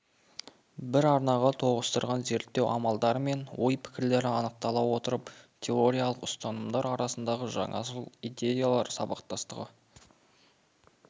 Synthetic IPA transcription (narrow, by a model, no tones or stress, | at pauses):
bɪɾɑɾnɑʁɑt̪ʰo̞ʁəst̪əɾʁɑnze̞ɾt̪ːe̞wʔɑ̰mɑlˠd̪ɑɾəme̞nwo̞jpʰɪ̥kʲɪɾle̞ɾɪɑnəq̚t̪ɑlˠɑwo̞t̪əɾəpt̪ʲʰe̞o̞ɾʲijɑlˠəqʊst̪ɑnəmd̪ɑɾɑɾɑsənd̪ɑʁəʒɑ̰ɴɑ̰səlˠid̪ʲe̞jalˠɑɾsɑbɑqt̪ɑst̪əʁə̰